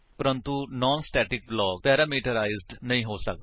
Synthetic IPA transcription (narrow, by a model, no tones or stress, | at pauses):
pəɾənt̪unɔːnsʈɛːʈɪk̚blɔːk̚pɛːɾaːmiːʈəɾaːɪzɖnəɦĩːɦoːsək̚d̪